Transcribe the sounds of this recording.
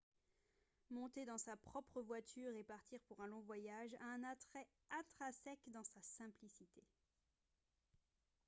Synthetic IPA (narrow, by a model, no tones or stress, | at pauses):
mɔ̃t̪ed̪ɑ̃sapχɔpχəvwat̪ʰyʁepaʁt̪iʁpuʁɛ̃lɔ̃vwajaʒa̰ɛ̃nat̪χɛ | at̪χasɛkd̪ɑ̃sasɛ̃plisit̪e